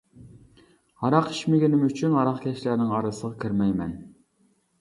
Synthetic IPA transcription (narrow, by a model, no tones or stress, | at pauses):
hɑɾɑqiʃmɪɡʲinɪmyt͡ʃʰynɑɾɑqkʲʰɛʃlæɾnɪŋɑɾɨsəʁɑkʲʰiɾmɛjmɛn